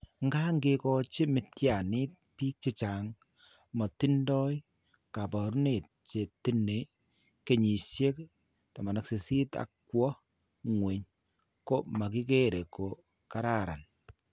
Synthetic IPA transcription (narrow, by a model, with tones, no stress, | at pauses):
ŋɡa˦ŋɡekɔ˦t͡ʃe˦mɪ˨tja˨nɪ˦t̚piː˦k̚t͡ʃi˦t͡ʃa˨ŋ | mɔ˨ti˦ndɔ˦j | ka˨pɔ˨ɾu˦ne˨t̚t͡ʃe˨ti˦ne˨ | ke˦˨ɲi˨sje˦k | ta˨ma˨na˨kse˨si˦ta̰˨kwɔ˦ | ŋwe˨ɲ | ko˦ma˨ki˦k̬e˦ɾe˨ko˨ | ka˦ɾa˦˨ɾa˨n